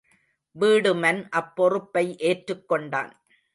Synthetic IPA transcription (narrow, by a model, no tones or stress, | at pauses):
ʋiːɽɯmɐnʔɐpːɔrɯpːɐɪʔeːʈɾɯkːɔɳɖa̰ːn